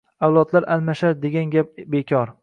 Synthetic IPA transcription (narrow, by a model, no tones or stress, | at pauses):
awlˠɒd̪laɾʔalmaʃaɾd̪e̞ɡʲanɡʲap̚be̞kʲʰɒɾ